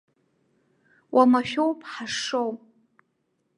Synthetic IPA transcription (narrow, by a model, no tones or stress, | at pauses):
wʔamaʃʲᶣowpʰʼħaʂowpʼ